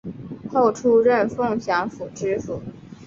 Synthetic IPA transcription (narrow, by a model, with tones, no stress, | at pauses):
xo˥˩ʊʈ͡ʂʰu˥ɻə˥˧nfɤ˥˩ŋɕjɑ˧˥ŋfu˨˩ʈ͡ʂɻ̩˥fu˨˩˦